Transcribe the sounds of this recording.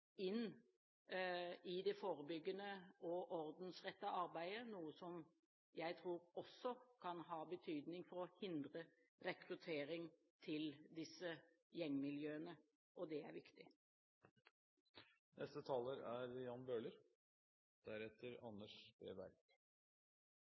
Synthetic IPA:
ɪn | ɪd̪ɛfoːɾəbʏɡːənəɔʔɔɾd̪n̩sʁɛt̪ːəʔɑɾbæɪənuːəsɔm | jæɪt̪ʰɾuːɾɔsːɔkʰɑnɦɑːbət̪ʰyːd̪nɪŋfɔɾɔhɪnd̪ʁə | ɾɛkɾʉt̪ʰeːɾɪŋ | t̪ʰɪld̪ɪsːə | jɛŋːmɪljøːənə | ʔɔd̪ɛæ̰ɾʋɪkt̪ɪ | nʔɛ̰st̪ət̪ʰɑːləɾæɾjɑnbøːləɾ | d̪̥æɾɛt̪ːəɾɑnːəʂbḛːbæ̰ɾk

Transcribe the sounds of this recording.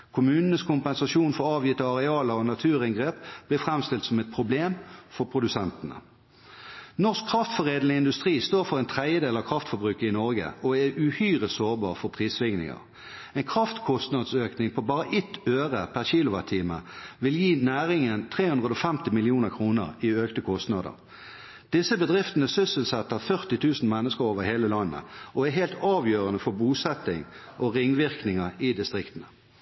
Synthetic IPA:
kʰʊmʉːnənəskʰʊmpɛnsɑʃuːnfɔɾɑːʋjɪt̪ːəɑʁɛɑːləʁɔnɑt̪ʰʉːʁɪŋɡʁeːpb̥lɪːfʁɛmst̪ɪlt̪sɔmɛt̪̚pʰʁʊbleːmfɔʁpʰʁʊd̪ʉsɛnt̪ənə̰ | nɔʁskʰːʁɑft̪fɔʁeːd̪ləɪnd̪ʉst̪ʁiːst̪oːʁfɔʁɛɪnt̪ʰʁɛəd̪eːlɑkʰʁɑft̪fɔbʁʉːkəɪnɔʁɡə̰ɔɛʉhyːʁəsoːʁbɑ̰ːʁfɔpʰʁiːsʋɪŋnɪ̰ŋə̰ʁ | ɛɪnkʰʁɑft̪kʰʊst̪nɑd̪søːknɪŋpʰɔbɑːʁəʔɪt̪ːøːʁəpʰæʁçiːlʊʋɑt̪ʰiːməʋɪljiːnæːʁɪŋənt̪ʰʁeːhʉnʁəd̪ɔfɛmt̪ɪmɪlɪuːnəʁkʰʁuːnəʁɪøːkt̪əkʰɔst̪nɑːd̪ə̰ʁ | d̪̥ɪsəbəd̪ʁɪft̪ənəsʏsəl̩sɛt̪ːɑfœʁt̪ɪt̪ʰʉːsn̩mɛnːəskəɾoːʋəʁheːləlɑnːə̰ʔɔæɦeːlt̪ɑːʋjøːʁənəfɔbuːsɛt̪ɪŋ | ʔɔʁɪŋʋɪʁknɪŋəʁɪd̪ɪst̪ʁɪkt̪ən̩ə

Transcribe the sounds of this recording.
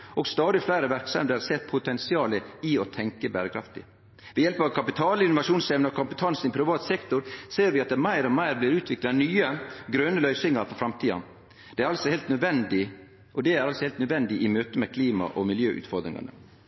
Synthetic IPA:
ɔɡst̪ɑːd̪ɪflæɪɾəʋæɾksɑmd̪əsɛt̪ːpʰʊt̪ɛnsɪɑːləɪɔt̪ʰɛŋkəbæːɾəkʰɾɑft̪ɪ̰ | ʋɛjɛlpɑʋkʰɑpɪt̪ʰɑːlɪnʊʋɑʃuːnsɛʋnəɔkʰʊmpət̪ʰɑnsn̩ɪpʰɾɪʋɑːt̪sɛkt̪ʊɾseːɾʋɪɑt̪̚d̪ɛmæɪɾɔmæɪɾblɪɾʉːt̪ʰʋɪklɑnyːəɡɾœnːəlœʏsɪŋɑɾfɔɾfɾɑmt̪ʰiːɑ̰n | d̪̥ɛæɾɑlsɔhɛɪlt̪nœd̪ʋɛnd̪ɪ | ʔɔd̪ɛæɾɑlsɔhɛɪlt̪nœd̪ʋɛnd̪ɪʔɪmøːt̪əmɛkʰliːmɑ̰ʔɔmɪljø̰ːʔʉ̰t̪fɔɾd̪ɾɪŋɑ̰nə̰

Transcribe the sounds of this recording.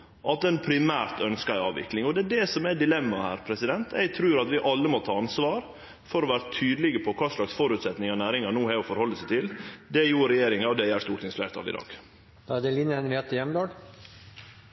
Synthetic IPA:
ʔɑt̪̚d̪ɛnpʰɾɪmæːɾt̪œnskəæɪɑːʋʋɪ̰klɪŋɔd̪ɛːɖɛsɔmæɖɪlɛmːɑhæːɾpʰɾɛsɪd̪ɛnt̪ʰɛ̰ɪɡ̚t̪ʰɾʉːɾɑt̪ʋɪʔɑlːəmɔt̪ʰɑːɑnsʋɑːɾ | fɔɾɔʋæːɾət̪ʰyːd̪əlɪɡəpʰɔkʰɑːʂɭɑksfɔɾʉːt̪sɛt̪nɪŋɔnæːɾɪŋɑnuːhæɔfɔɾhɔlːəsæɪt̪ʰɪld̪ɛjuːɾɛjeːɾɪŋɑɔd̪ɛjæːʂt̪uːʈʰɪŋsflæ̰ɪt̪ʰɑ̰lɪ̰d̪ɑ̰ːɡ̥ | d̪̥ɑæd̪ɛlinəɛnɾɛːt̪əjɛmd̪ɑːɖ

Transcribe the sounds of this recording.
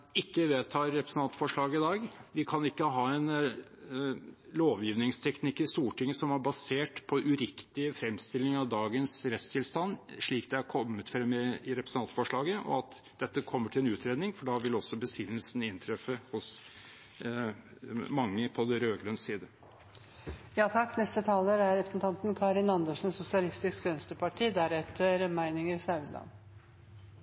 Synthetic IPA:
ɪkːəʋeːt̪ʰɑːɾɾɛpɾəsn̩ɑnt̪fɔʂɭɑːɡəɪd̪ɑːɡʋɪkʰɑnɪkːəɦɑːɛn | loːʋjiːʋnɪŋst̪ʰɛknɪkːɪst̪uːʈɪŋːəsɔmæɾbɑseːʈpʰɔʔʉɾɪkt̪ɪfɾɛmst̪ɪlːɪŋɑʋd̪ɑːɡənsɾɛt̪st̪ʰɪlst̪ɑnʂɭiːkd̪ɛæɾkʰɔmːət̪fɾɛmːəɪɾɛpɾəsn̩ɑnt̪fɔʂɭɑːɡəʔɔ̰ɑt̪d̪̥ɛt̪ːəkʰɔmːəʈʰɪlɛnʉːt̪ʰɾeːd̪nɪŋfɔɖɑʋɪlɔsːɔbəsʏnːəlsn̩ɪnt̪ʰɾɛfːəhʊs | mɑŋːəpʰɔd̪ɛɾøːɡlœnssiːd̪ə | jɑːt̪ʰɑkːnɛst̪ət̪ʰɑːləɾæɾɛpɾəsn̩t̪ʰɑnt̪nkʰɑːɾɪnɑnd̪əʂn̩ssʊsɪɑlɪst̪ɪskʋɛnst̪əpɑʈʰiːd̪æɾɛt̪ʰːəɾmæɪnɪŋəɾsɑʉd̪lɑ̰n

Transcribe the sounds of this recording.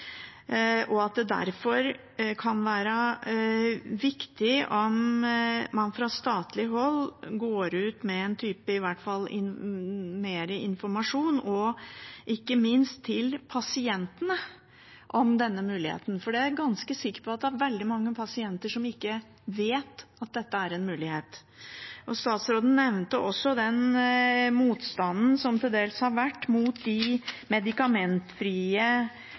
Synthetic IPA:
ʔɔɑt̪̚d̪ɛd̪æ̰ɾfɔɾ | kʰɑnʋæːɾə | ʋɪkt̪ɪɔmː | ɑnfɾɑst̪ɑːt̪lɪɦɔlːɡoːɾʉːt̪mɛɛnt̪ʰyːpəɪʋæʈfɑlːɪ̰nmeːɾəʔɪnfɔɾmɑʂuːnɔʔɪkːəmɪnst̪ʰːɪlpʰɑsɪɛnt̪ənə | ʔɔmd̪ɛnːəmʉːlɪhḛːt̪n̩fɔɖɛæɾɡɑnskəsɪkːə̥ɾpʰɔɑt̪̚d̪ɛæɾʋɛld̪ɪmɑŋːəpʰɑsɪɛnt̪əʂɔmɪkːə | ʋeːt̪ɑt̪̚d̪ɛt̪ːəæɾɛnmʉːlɪheːt̪ | ʔɔst̪ɑːt̪sɾoːd̪n̩nɛʋnt̪əʔɔsːɔd̪ɛn | muːt̪st̪ɑnːn̩sɔmt̪ʰɪld̪eːlshɑɾʋæʈːmuːt̪̚d̪ɪmɛd̪ɪkɑmɛnt̪fɾiːə

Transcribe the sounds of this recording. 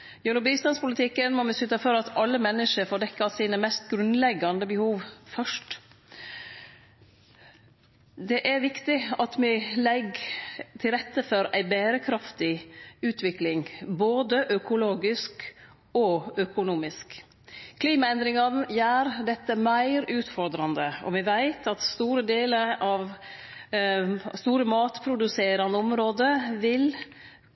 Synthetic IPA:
jʉnʊbiːst̪ɑnspʊlət̪ʰɪkːənmɔmɪsʉt̪ɑfɔɾɑt̪ʰɑlːəmɛnːəʂəɾfoːdɛkːɑsiːnəmɛst̪ɡɾʉnd̪lɛɡːɑnd̪əbəhuːʋfœʂʈ | d̪ɛʔæɾʋɪkt̪ɪɑt̪mɛlɛɡt̪ʰɪlɾɛt̪ːəfɔɾæɪbeːɾəkʰɾɑft̪ɪʉːt̪ʰʋɪklɪŋboːd̪əʔœkʊloːɡɪsk | ɔœkʊnuːmɪsk | kʰliːmɑɛnd̪ɾɪŋɑnjæːɾd̪ɛt̪ːəmæɪɾʉːt̪fɔɾd̪ɾɑnd̪əɔ̰ʋɪʋæɪt̪ʰɑt̪st̪uːɾəd̪eːləɾɑʋ | st̪uːɾəmɑːt̪pʰɾʊd̪ʉseːɾɑnəɔmɾoːd̪əʋɪl

